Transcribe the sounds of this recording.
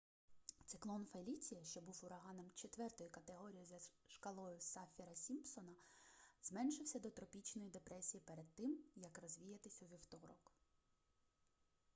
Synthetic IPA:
t̪sɪklˠɔnfelʲit͡sʲijɐʃt͡ʃɔbuwʊɾɐɦɑnɔmt͡ʃet̪ʋɛrt̪ɔjʊkɐt̪eɦɔɾʲijizɐʃkɐlˠɔjʊsɑfʲiɾɐsʲimpsɔnɐzmɛnʃɪwsʲɐd̪ɔt̪ɾɔpʲit͡ʃnɔjid̪epɾɛsʲijipeɾed̪̚t̪ɪmjɐkrɔzʲʋʲijɐt̪ɪsʲɐʋʲiwt̪ɔɾɔk

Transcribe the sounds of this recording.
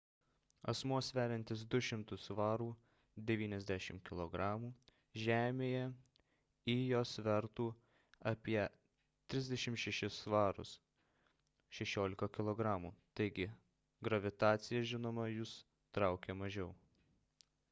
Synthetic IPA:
ɐ̰smuɔsʋʲæːɾʲɛnʲt̪ʲɪs̬d̪ʊʃʲɪmt̪ʊsʋɑːɾuː | d̪ʲɛʋʲiːnʲɛzʲd̪ʲæʃʲɪmkʲɪlˠoɡɾɑːmuː | ʒʲæːmʲeːjɛ | iːjoːsʋʲɛɾt̪uː | ɐpʲiɛ | t̪ʲɾʲɪzʲd̪ʲɛʃʲɪmʃʲɛʃʲɪsʋɑːɾʊ̰s | ʃʲɛʃʲoːlʲɪkɐkʲɪlˠoːɡɾɑːmuːt̪ɐɪɡʲɪ | ɡɾɐʋʲɪt̪ɑːt̪sʲɪjɛʒʲɪnoːmɐjʊs | t̪ɾɑʊkʲɛmɐʒʲɛʊ

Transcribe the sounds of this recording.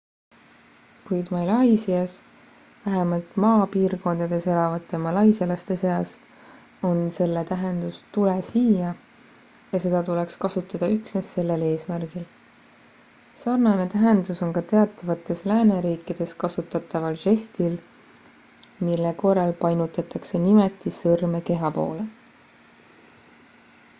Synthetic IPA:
kujd̪̥mɑjlɑjsiɑs | væɦemɑlt̪mɑːpiːɾko̞nd̪̥ɑd̪̥e̞se̞lɑvɑt̪ˑːe̞mɑlɑjselɑst̪e̞se̞ɑs | o̞nse̞lːet̪æɦe̞nd̪ust̪ule̞siːjɑ | jɑse̞d̪̥ɑt̪ule̞kskɑsut̪ːˑɑd̪̥ɑyksne̞sːe̞lːe̞le̞ːsmærɡ̥il | sɑːrnɑne̞t̪æɦe̞nd̪uso̞nkɑt̪e̞ɑt̪ːˑɑvɑt̪ːˑe̞slæːne̞ɾiːkːˑid̪̥e̞skɑsut̪ːˑɑt̪ˑːɑvɑlʃe̞st̪il | milːeko̞rːɑlpɑjnut̪ˑɑt̪ːˑɑkse̞nimet̪ːˑisɤrme̞ke̞ɦɑpo̞̰ːle̞

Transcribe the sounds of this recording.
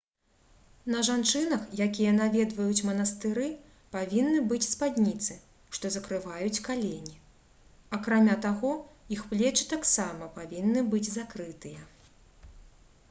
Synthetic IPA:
nɐʐant͡ʂɨnɐxjakʲijɐnavʲɛd̪vɐjut͡sʲmɐnɐst̪ɨɾɨ | pavʲinːɨbɨt͡sʲspad̪ʲnʲit̪sɨ | ʂt̪ɔzɐkɾɨvajut͡sʲkalʲenʲi | akɾamʲat̪aɣɔixplʲɛt͡ʂɨ̥t̪aksamɐpavʲinːɨbɨd͡zʲzakɾɨt̪ɨjɐ

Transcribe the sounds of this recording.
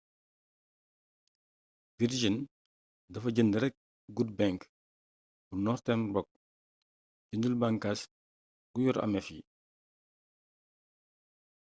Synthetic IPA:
viɾd͡ʒin | dɐfɐɟəndəɾɛk̚ | ɡut̚bɛŋk | bunɔrtɛnbɔk̚ | ɟəndəlbaŋkas | ɡujɔɾɐ̰mɛfḭ

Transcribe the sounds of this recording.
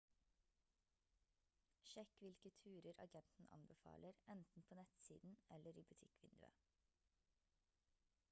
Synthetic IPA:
ʃɛkʋɪlkət̪ʰʉːɾəɾɑ̰ɡɛnt̪n̩ʔɑ̰nbəfɑ̰ːləɾɛnt̪n̩pʰoːnɛt̪siːd̪n̩ɛləɾiːbʉt̪ʰɪkʋɪnd̪ʉ̰ə̰

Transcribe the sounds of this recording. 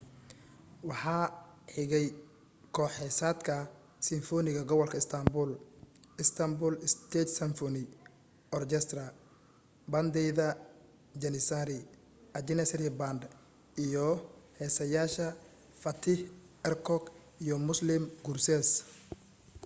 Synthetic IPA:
wɑħɑːħɪɣɛj | kʰɔːħɛsaːd̪kʰɐ | sɪnfɔːnɪɣɐɡɔβɔlkʰɐɪst̪ʰɐmbʊlɪst̪ʰɐmbʊːlɪst̪ʰɛːt̪sɐnfɔnɪ | ɔrt͡ʃɛst̪ɾɐ | bɐnd̪ɛjðɐ | d͡ʒɛnɪsaɾɪ | ʔɐd͡ʒɪnɛsɾɛband̪ | ijɔhɛːsɐjaːʃɐ | fɐt̪ʰɪh | ɛrkʰɔɡ | ijɔmʊslɪmɡʊrsɛs

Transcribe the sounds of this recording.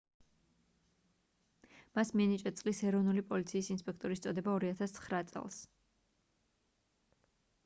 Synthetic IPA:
masmianit͡ʃʼɛt̪sʼlisɛɾɔvnulipʼɔlit̪sʰiːsinspʼɛkʰt̪ʼɔɾist̪sʼɔd̪ɛbaɔɾiat̪ʰast̪sʰχɾat̪sʼɛ̰lˠs

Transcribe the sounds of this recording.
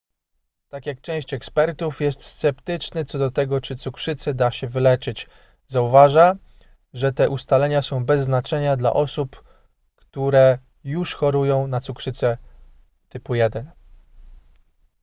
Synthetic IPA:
t̪akʲjak̚t͡ʂɛ̃w̃ɕt͡ɕɛkspɛɾt̪ufjɛst̪st̪sɛpt̪ɘt͡ʂnɘt̪sɔd̪ɔt̪ɛɡɔt͡ʂɘt̪sukʂɘt̪sɛd̪aɕɛvɘlɛt͡ʂɘt͡ɕ | zauvaʐa | ʐɛt̪ɛʔust̪alɛɲasɔ̃w̃bɛzːnat͡ʂɛɲad̪la̰ʔɔsup | kt̪uɾɛ | juʂxɔɾujɔ̃w̃nat̪sukʂɘt̪sɛ | t̪ɘpujɛd̪ɛn

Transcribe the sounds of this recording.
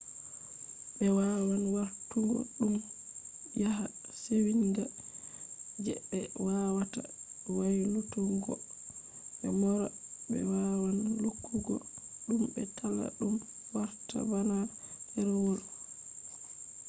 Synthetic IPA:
bɛwawanwaɾtuŋɡɔ̰ɗum | jaɦasewiŋɡa | d͡ʒɛɓɛwawatawajlutuŋɡɔ̰ | ɓɛmɔɾabɛ̰wawanlukʰːuɡɔ̰ɗumbɛtʰalːa̰ɗum | waɾta̰banahɛɾwol

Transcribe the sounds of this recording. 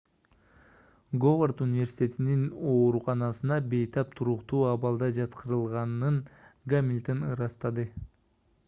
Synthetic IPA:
ɡoʁort̪unʲivʲe̞ɾsʲi̥t̪ʲe̞t̪inino̞ːɾuqɑnɑsɯnɑbe̞jt̪ʰɑp̚t̪ʰuɾuqt̪uːɑβɑlˠd̪ɑd͡ʒɑt̪qʰɯɾɯlˠʁɑnɯnɡamʲilʲt̪onɯɾɑst̪ɑd̪ɯ

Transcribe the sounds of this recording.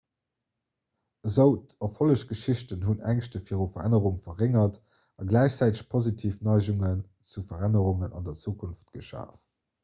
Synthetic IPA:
əzəʊtʰofoləɕɡ̥əʃiɕtənɦunæŋʃtəfiːʁufɐʁæ̰nəʁuŋfɐʁeŋɐt | ɑɡlæɪɕt͡sæɪtəɕpʰozitʰiːfnɑɪʑuŋən | t͡sufɐʁænəʁuŋənɑ̰ndɐt͡suːkʰunftɡ̥əʃa̰ːf

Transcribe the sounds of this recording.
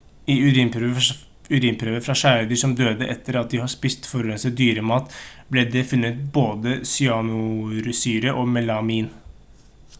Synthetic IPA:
ɪʉɾiːmpɾ | ʉɾiːmpʰɾøːʋəfɾɑʂæːɾəd̪ɪʂɔmd̪øːd̪əʔɛt̪ːəɾɑt̪̚d̪ɪhɑʂpist̪fɔɾɛnsəd̪yːɾəmɑːt̪blɛd̪ɛfʉnːət̪̚boːd̪əsʏɑnʊɾʉsyːɾəʔɔmɛlɑmiːn

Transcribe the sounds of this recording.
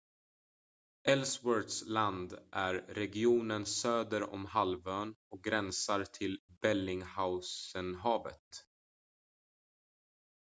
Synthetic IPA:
ɛlswœɾʈ̪sland̪ʔæɾːɛɡɪuːnənsøːd̪əɾɔ̰mhalvøːnɔk̚ɡɾɛnsaɾt̪ʰɪlbɛlːɪŋhaʊsənɦɑːvə̰t̪

